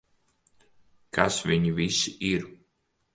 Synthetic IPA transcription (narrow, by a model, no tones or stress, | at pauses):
kasvʲiɲivisiiɾ